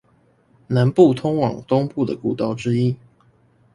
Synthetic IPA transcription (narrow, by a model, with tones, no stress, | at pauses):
na˧˦npu˥˨t̪ʰʊ˥ŋwɑ̰˨˩ŋt̪ʊ˥ŋpu˥˩d̪ə̰˩ku˨˩t̪ɑ˥˩ʊʈ͡ʂɻ̩˥i˦